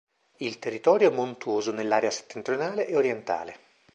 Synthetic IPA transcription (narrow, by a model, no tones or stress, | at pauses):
ilt̪erːit̪ɔːɾjoɛmont̪uoːzonelːaːɾease̥t̪ːent̪ɾjonaːleʔːoɾjɛnt̪a̰ːle